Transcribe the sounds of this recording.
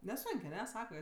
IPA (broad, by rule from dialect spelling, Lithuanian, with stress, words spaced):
nʲɛˈsoːŋʲkʲ ɐˈnʲɛ ˈsɑːkɐ